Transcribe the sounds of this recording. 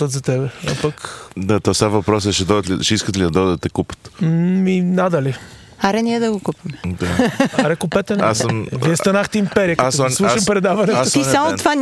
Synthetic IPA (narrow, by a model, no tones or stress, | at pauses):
ɐt̪zɐt̪ɛbɛɐpɐkd̪ɐt̪ɐsavɐpɾɔsɛʃɛd̪ɔd̪ɐt̪liʃɛiskət̪lid̪ɐd̪ɔd̪ət̪ɛkupə̥t̪minad̪ɐli | aɾɛniɛd̪ɐɡʊkupɐmɛd̪aaɾɛkupɛt̪ɛnasmviɛst̪ɐnaxt̪ɛimpɛɾiəkɐɔɐslˠuʃɐmpɾɛd̪avɐnɛt̪ʊisamʊva